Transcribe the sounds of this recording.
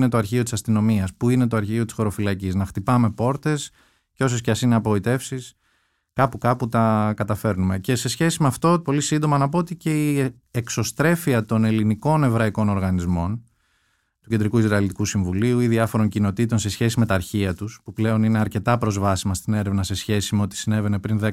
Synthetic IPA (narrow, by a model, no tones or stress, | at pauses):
ne̞t̪o̞ɐɾçio̞t̪isɐst̪ino̞miɐspuine̞t̪o̞ɐɾçio̞t̪isxo̞ɾo̞filɐciznɐxt̪ipɐme̞po̞ɾt̪e̞s | ceo̞sosceɐsineɐpooit̪e̞fsis | kɐpukɐput̪ɐkɐt̪ɐfe̞ɾnume̞ce̞se̞sçe̞simeɐft̪o̞po̞lisind̪o̞mɐnɐpoot̪ice̞i | ekso̞st̪ɾe̞fiɐt̪o̞ne̞liniko̞ne̞vɾɐiko̞no̞ɾɣɐnizmo̞n | t̪ucend̪ɾikuizɾɐilit̪ikusiɱvuliuiðiɐfo̞ɾo̞ɲcino̞t̪it̪o̞nse̞sçe̞sime̞t̪ɐːɾçiɐt̪uspuple̞o̞nine̞ɐɾce̞t̪ɐpɾo̞zvɐsimɐst̪ine̞ɾevnɐse̞sçe̞simeo̞t̪i̥sine̞ve̞ne̞pɾinðe